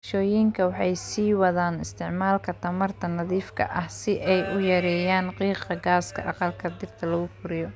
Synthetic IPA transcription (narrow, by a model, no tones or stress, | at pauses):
ʃɔːjɪŋkʰɐwɑħɑjsiːwɑðaːnɪst̪ʰɪʕmaːlkʰɐt̪ʰɐmɐrt̪ʰɐnɐðiːfkʰɐ̰ʔɐhsɪʔɛjʊjɐɾɛːjaːnqiːqɐɡaːskʰɐ̰ʔɑqɑlkʰɐd̪ɪrt̪ʰɐlɐɣʊfʊɾɪjɔ